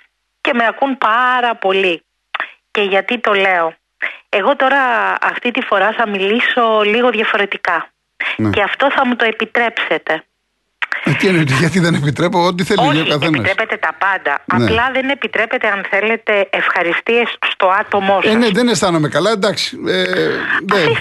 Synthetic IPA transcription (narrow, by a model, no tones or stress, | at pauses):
ce̞meɐkunpɐɾɐpo̞li | ce̞ʝɐt̪it̪o̞le̞o̞ | eɣo̞t̪o̞ɾɐɐft̪it̪ifo̞ɾɐθɐmiliso̞liɣo̞ðʝɐfo̞ɾe̞t̪ikɐ | nceɐft̪o̞θɐmut̪o̞epit̪ɾe̞pse̞t̪e̞ | ɐt̪ienot̪iʝɐt̪iðenepit̪ɾepoot̪̬iθeliookɐθenpiɐst̪epet̪e̞t̪ɐpɐnd̪ɐ̰ɐnplɐðene̞pit̪ɾepe̞t̪eɐnθe̞le̞t̪e̞ːfxɐɾist̪ie̞sːt̪o̞ɐt̪o̞mosneðenest̪ɐnomekɐlɐd̪ɐksi̥eneis